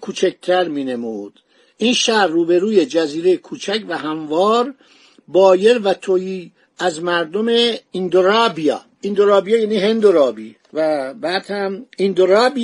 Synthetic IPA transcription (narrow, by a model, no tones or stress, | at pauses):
kʰuːt͡ʃʰæk̚t̪ʰæɾmiːne̞muːd̪̥ | iːnʃæɾːuːbe̞ɾuːje̞d͡ʒæziːɾe̞jekʰuːt͡ʃʰæcʰvæhæmvɒːɾ | bɒːje̞ɾvæt̪ʰojiː | æzmæɾd̪omeind̪oɾɑbijɑ̰ː | ind̪oɾɑːbijɑːjæːniːɦend̪oɾɒːbi | væbæːd̪̥hæmind̪oɾɑːbi